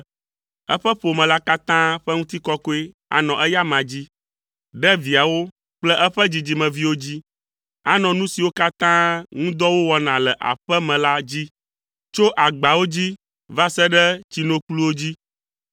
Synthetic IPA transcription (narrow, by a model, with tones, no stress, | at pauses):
ɛ̰˦ɸɛ˦ɸo˨mɛ̃˨la˦ka˦t̪ã˦ɸɛ˦ŋũ˦t̪i˦kɔ˦kɔ˦e˦ | a̰˨nɔ̃˨ʔɛ˦ja˦mã˨d͡ʑi˦ | ɖɛ˦vi˨a˨wo˦ | k͡plɛ˦ʔɛ˦ɸɛ˦d͡ʑi˨d͡ʑi˨mɛ̃˨vi˦wo˦d͡ʑi˦ | a˦nɔ̃˨nũ˦si˨wo˦ka˦t̪ã˦ŋũ˦d̪ɔ˦wo˦wɔ˦nã˨lɛ˨ʔa̰˨ɸɛ˦mɛ̃˨la˦d͡ʑi˦ | t͡ʃo˦ʔa˨ɡ͡ba˨wo˦d͡ʑi˦ | va˦sɛ˦ɖɛ˦t͡ɕi˨nõ˨klu˦wo˦d͡ʑi˦